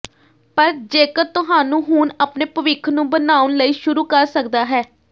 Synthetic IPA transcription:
pəɾd͡ʒeːkət̪ʊɦaːnũːɦuːnəpneːpəʋɪkʰnũːbənaːʊnləiːʃʊɾuːkəɾsəkd̪aːɦɛː

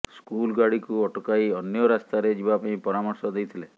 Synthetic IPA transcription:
skulɡaɽikuɔʈɔkajɔnjɔɾast̪aɾed͡ʒibapaĩpɔɾamɔɾsɔd̪ejt̪ʰile

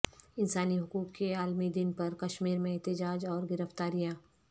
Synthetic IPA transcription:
ɪnsaːniɦʊkuːkːeaːlmid̪ɪnpɐɾkɐʃmiːɾmẽɛɦt̪ɪd͡ʒaːd͡ʒɔːɾɡɪɾəft̪aːɾijãː

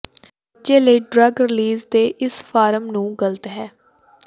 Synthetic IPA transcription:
d͡ʒeːləiːɖɾəɡɾɪliːzd̪eːʔɪspʰaːɾəmnũːɡələt̪ɦɛː

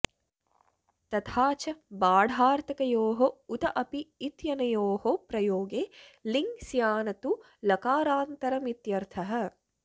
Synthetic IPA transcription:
t̪ɐt̪ʰaːt͡ʃɐbaːɽʱaːɾt̪ɐkɐjoːɦout̪ɐʔɐpiːt̪jɐnɐjoːɦopɾɐjoːɡeːliŋɡsjaːnɐt̪u | lɐkaːɾaːnt̪ɐɾɐmit̪jɐɾt̪ʰɐɦɐ̆

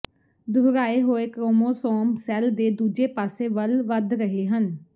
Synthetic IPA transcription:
d̪ʱʊɾɾaːeːɦoːeːkɾoːmoːsɔːmsɛːld̪eːd̪uːd͡ʒeːpaːseːʋəlʋəd̪ɾəɦeːɦən

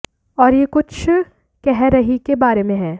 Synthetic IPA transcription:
ɔːɾjekʊt͡ʃʰ | kɛɦɾɐɦikebaːɾemẽɦɛː

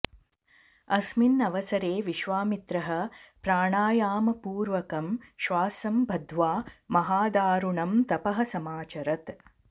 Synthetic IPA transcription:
ɐsminːɐʋɐsɐɾeːʋiʃʋaːmit̪ɾɐɦɐ̆pɾaːɳaːjaːmɐpuːɾʋɐkɐmʃʋaːsɐmbʱɐd̪ʱʋaːmɐɦaːd̪aːɾuɳɐmt̪ɐpɐɦɐsɐmaːt͡ʃɐɾɐt̪

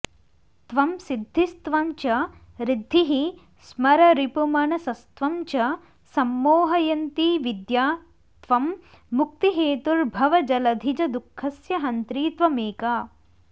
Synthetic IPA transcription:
t̪ʋɐmsid̪ʱːist̪ʋɐmt͡ʃɐ | ɾid̪ʱːiɦi | smɐɾɐɾipumɐnɐsɐst̪ʋɐmt͡ʃɐ | sɐmːoːɦɐjɐnt̪iʋid̪jaː | t̪ʋɐmː | uk̚t̪iɦeːt̪uɾbʱɐʋɐd͡ʒɐlɐd̪ʱid͡ʒɐd̪ukʰːɐsjɐɦɐnt̪ɾiːt̪ʋɐmeːkaː

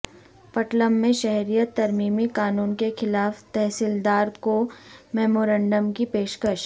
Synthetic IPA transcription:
pɐʈləmːẽʃɛɦɾijət̪ːɐɾmiːmikaːnuːnkexɪlaːft̪ɛɦsɪld̪aːɾkomɛːmoːɾə̃ɳɖəmkipeːʃkəʃ

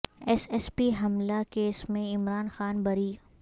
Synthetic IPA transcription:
ɛsɛspiɦɐmlakeːsmẽɪmɾaːnxaːnbɐɾiː

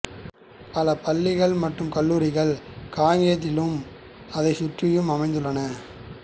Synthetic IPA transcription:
pɐlɐpɐlːɪɣɐɭmɐʈːɯmkɐlːuːɾɪɣɐɭkaːŋɡɪjɐt̪̬ːɪlɯm | ɐðɐɪsʊʈrɪjɯmɐmɐɪnd̪ɯɭːɐnɐ

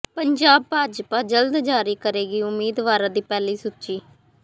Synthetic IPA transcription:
pəɲd͡ʒaːb̚paːd͡ʒpaːd͡ʒəld̪d͡ʒaːɾiːkəɾeːɡiːʊmːiːd̪ʋaːɾãːd̪iːpɛːliːsʊtːt͡ʃiː

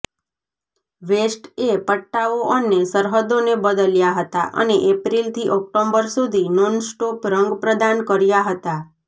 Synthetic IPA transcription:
ʋesʈepəʈːaʋoʔənːesəɾɦəd̪onebəd̪əljaɦət̪a̰ʔə̰neʔepɾilt̪ʰiʔɔk̚ʈombəɾsud̪ʱinonsʈopɾəŋɡpɾəd̪ankəɾjaɦət̪a

